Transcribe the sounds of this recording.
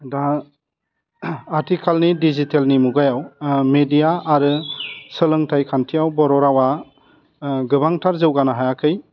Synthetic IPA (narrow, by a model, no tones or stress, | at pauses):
da | ɾtʰikʰalnidizitelnimuɡajawmedijaːɾɯsɯlɯŋtʰajkʰantʰijawbɔɾɔɾawa | ɡɯbaŋtʰaɾzɯwɡanaɦajakʰɯj